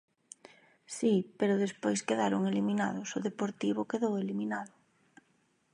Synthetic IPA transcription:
sipeɾʊð̞espojskeðaɾʊŋelimina̰ðʊsʊðepoɾt̪iβ̞ʊkeðoweliminaðʊ

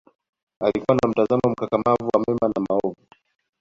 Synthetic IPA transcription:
alikuwanam̩tazamɔm̩kakamavuwamɛmanamaɔvu

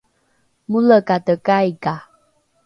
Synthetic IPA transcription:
muləkatəkaika

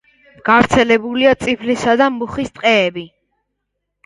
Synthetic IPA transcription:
ɡ̥avɾt̪sʰɛlɛbuliat̪sʼipʰlisad̪amuχist̪ʼqʼɛːbi

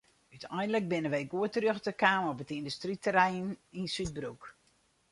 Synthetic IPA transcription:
ytʰɛjndələk̚bɪnəʋejɡuətərøxtəkaːmɔpətindystritəɾɛjninsyt̚bruk

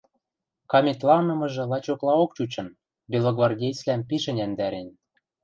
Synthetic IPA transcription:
kɑmʲet̪lɑnɤ̆mɤ̆ʒɤ̆lˠɑt͡ɕoklˠɑok̚t͡ɕut͡ɕɤ̆n | bʲelˠoɡvɑrdʲejt͡slæmpiʃɘ̆nʲænd̪æɾen

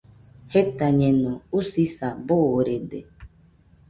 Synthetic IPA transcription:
het̪aɲenɔusisaboɾedḛ

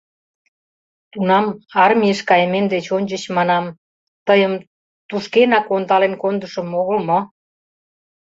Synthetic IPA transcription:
t̪unɑmɑrmʲieʃkɑjəmend̪et͡ɕonʲt͡ɕət͡ɕmɑnɑm | t̪əjəm | t̪uʃkenɑkont̪ɑlenkond̪əʃəmoɣəlmo

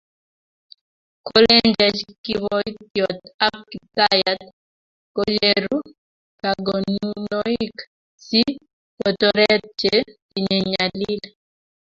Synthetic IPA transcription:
kolend͡ʒɛd͡ʒkiwɔit̪jɔtap̚kit̪ajat̪ | kod͡ʒeɾu | kaɡonnɔk | si | pɔtɔɾɛt̚t͡ʃe | iɲeɲalil

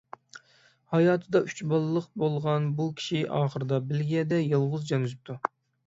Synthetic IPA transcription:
hɑjɑːt̪ʰɨd̪ɑʔyt͡ʃbɑlˠlːˠəqbolˠʁɑnbukʲʰi̥ʃiʔɑːχəɾɨd̪ɑbɪlɡʲɛd̪ɛjɨlˠʁʊzd͡ʒɑnɨʃɨp̚t̪ʰu

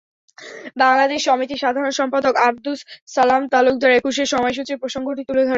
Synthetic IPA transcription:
baŋlad̪eʃːɔmit̪iʃad̪ʱaɾonʃɔmpad̪okab̚d̪ussalamt̪aluk̚d̪aɾekuʃeɾʃɔmɔeʃ̬ut̪ɾepɾoʃaŋɡʱoʈit̪uled̪ʱɔɾ

